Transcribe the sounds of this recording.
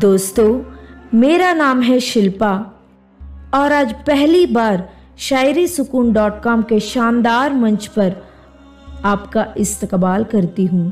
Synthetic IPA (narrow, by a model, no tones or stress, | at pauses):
d̪oːst̪õmeːɾanaːmɦɛʃɪlpa | ɔːɾaːd͡ʒpɛɦlibaːɾ | ʃaːɪɾisʊkuːnɖɔːʈkɔːmkeʃaːnd̪aːɾmɐ̃ɲt͡ʃpɐɾ | aːpkaʔɪst̪əkbaːlkɐɾt̪iɦũː